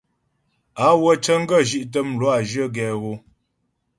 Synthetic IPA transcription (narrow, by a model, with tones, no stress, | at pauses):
a˨˦wə˦t͡ʃə˦ŋ̩˦ɡə˦˨ʒi˦ʔt̬ə˦mlwa˦˨d͡ʒə˦ɡɛ˨ɣo˦